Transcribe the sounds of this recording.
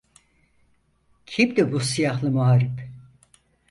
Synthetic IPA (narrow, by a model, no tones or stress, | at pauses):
cʰimd̪ibusijahlˠɯmuɦaɾip